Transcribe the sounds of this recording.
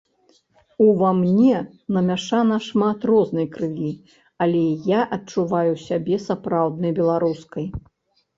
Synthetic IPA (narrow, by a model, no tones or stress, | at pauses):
uvamnʲɛ | nɐmʲaʂanɐʂmat̪rɔznɐjkɾɨlʲi | alʲɛjaʔɐt͡ʂuvajusʲabʲɛsapɾawd̪̚nɐjbʲɛlˠaɾuskɐj